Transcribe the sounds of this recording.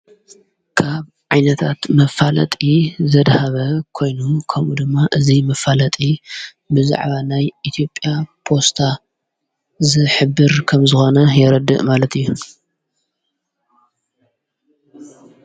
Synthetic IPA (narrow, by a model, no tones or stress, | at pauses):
kʰaβ | ʕajnɐt̪ʰat̪mɐfːalɐ̰t̪ʼizɐd̪haβɐkʰo̞jnukʰɐmʔud̪ɨmːaʔɨzimɐfalɐt̪ʼi | bɨza̰ʕβanajʔit̪ʰijo̞pʼːjapʰo̞st̪ʰa | zɨħɨbːɨɾkʰɐmzɨxo̞nɐjɛɾɐd̪ːɨʔmalɐt̪ʰijːu